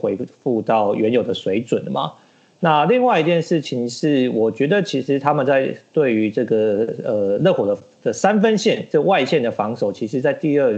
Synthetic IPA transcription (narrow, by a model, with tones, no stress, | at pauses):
we˧˥ɪfu˥˧t̪ɑ˥˩ʊɥʔɛ˧˥njo˨˩ʊd̪ə˦swe˧˥ɪt͡swə˨˩n˩mɐ̰˩ | na˥˧li˥˧ŋwa˥˩ɪi˧˥t̪jɛ˥˧nʂɻ̩˥˩t͡ɕʰi˧˩ŋʂɻ̩˥˩wɔ˨˩t͡ɕɥɛ˧˥d̪ə˨t͡ɕʰi˧˥ʂɻ̩˧˥t̪ʰa˥mə˨nt͡sa˥˧ɪt̪we˥˩ɪy˧˥ʈ͡ʂɤ˥˩ɡə˩ə˨˩lɤ˥˩xwɔ˨˩d̪ə˦ | d̪̥ə˨sa˦nfə˥nɕjɛ˥˩nʈ͡ʂə˥˧wa˥˧ɪɕjɛ˥˩nd̪ə˩fɑ˧˥ŋso˨˩ʊt͡ɕʰi˧˥ʂɻ̩˧˥t͡sa˥˧ɪt̪i˥˧ə˥˩